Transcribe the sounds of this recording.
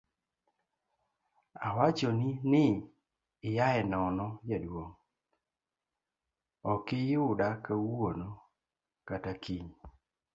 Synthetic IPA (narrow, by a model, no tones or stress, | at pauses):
awat͡ʃɔninɪ | ɪjaɛnɔnɔjadwoŋ | ɔkɪjʊdakawono | katakʰiɲ